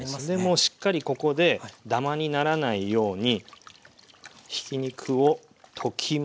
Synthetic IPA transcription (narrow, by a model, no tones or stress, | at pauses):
d̪e̞mo̞ɕi̥kːaɾʲiko̞ko̞d̪e̞d̪amaɲ̟inaɾanaijo̞ːɲ̟i | çi̥kʲiɲ̟ikʰɯ̟o̞ | t̪ʰo̞kʲʰim